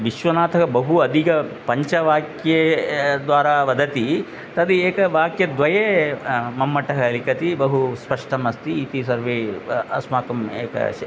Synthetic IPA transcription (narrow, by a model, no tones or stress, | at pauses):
ʋiʃʋɐnaːt̪ʰɐkɐbɐɦuɐd̪ʱikɐpɐɲt͡ʃɐʋaːkjed̪ʋaːɾaːʋɐd̪ɐt̪i | t̪ɐd̪ieːkɐʋaːkjɐd̪ʋɐjeːmɐmːɐʈɐɦɐlikɐt̪ibɐɦuspɐʂʈɐmɐst̪iːt̪isɐɾʋeːɐ̰smaːkɐmḛːkɐ̰